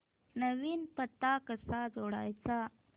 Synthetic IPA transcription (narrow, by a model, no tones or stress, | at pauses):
nawinpət̪akəsad͡ʒoɽa̰jt͡sa